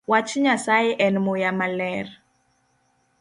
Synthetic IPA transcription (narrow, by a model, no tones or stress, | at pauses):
wat͡ʃɲasajeʔɛnmojamalɛr